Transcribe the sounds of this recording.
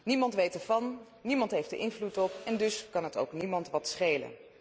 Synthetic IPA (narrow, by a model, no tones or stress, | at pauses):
nimɑntʋejtəɹvɑnː | imɑntɦejfdəʔɪnvlutɔpɛndɵskɑnɦəto̰wknimɑntʋɑtsχejlə̰n